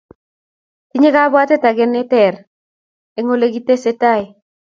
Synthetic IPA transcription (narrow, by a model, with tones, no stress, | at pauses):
ti˦ɲe˦ka˦bwa˦tɛ˦ta˨ɡɪ˦nːɪ˦tɛ˨r | e˨˦ŋo˦le˦ɡi˦te˦se˦ta˦i˨